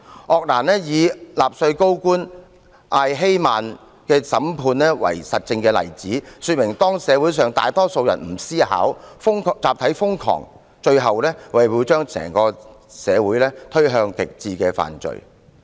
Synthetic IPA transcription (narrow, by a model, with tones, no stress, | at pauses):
ʔɔː˨k̚laː˨˩nɛː˥jiː˨˧laː˨p̚sɵ˧ɥko˥wkuː˥n | ʔaː˧jɦe˥jmaː˨n | kɛː˧sɐ˨˥mpʰuː˧nlɛː˥wɐ̰˨˩jsɐ˨t̚t͡sɪ˧ŋkɛː˧lɐ̰˨˩jt͡siː˨˥syː˨˧t̚mɪ˨˩ŋt̪ɔː˥ŋsɛː˨˧wuː˨˥jsœː˨ŋt̪a̰ː˨jt̪ɔː˥so˧wjɐ˨˩nm̩˨˩siː˥ha̰ː˨˥wfʊ˥ŋkt͡saː˨p̚t̪ʰɐ˨˥jfʊ˥ŋkʰɔ̰ː˨˩ŋ | t͡ʃɵ˧ɥɦɐ˨wlɛː˥wɐ˨˩jwiː˨˧wt͡ʃœː˥ŋsɛ̰ː˨˩ŋkɔː˧ | sɛː˨˧wuː˨˥jlɛː˥t̪ʰɵ˥ɥɦœː˧ŋkɪ˨k̚t͡siː˧kɛː˧fa̰ː˨nt͡ʃɵ̰˨˧ɥ